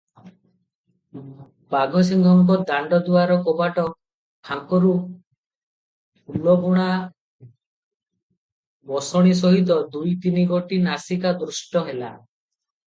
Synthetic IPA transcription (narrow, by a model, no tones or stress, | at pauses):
baɡɔs̬iŋɡʱɔŋkɔd̪aɳɖɔd̪uaɾɔkɔbaʈɔ | kʰaŋkɔɾu | ulɔbuɽ̃a | bɔsɔɽ̃is̬ɔɦit̪̬ɔd̪ujt̪iniɡoʈinasikad̪ɾusʈɔɦela̰